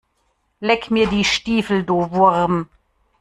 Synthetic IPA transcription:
lɛkmiːɐdiːʃtiːfl̩doːvʊʁm

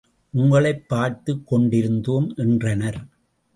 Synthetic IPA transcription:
ʔʊŋɡɐɭɐɪpːaːɾt̪ɯkːɔɳɖɪɾɯnd̪oːmʔɛndrɐnɐɾ

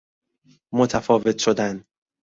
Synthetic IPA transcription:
mo̞t̪ʰæfɒːve̞t̪ʰʃo̞d̪æn

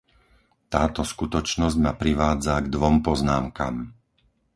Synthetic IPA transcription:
t̪aːt̪ɔskut̪ɔt͡ʃnɔzɟmapɾiʋaːd͡zaɡd̪ʋɔmpɔznaːmka̰ːm

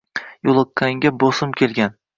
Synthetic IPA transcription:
jolˠɨkʰːaŋɡʲabosɪmkʲʰe̞lˠɡʲan

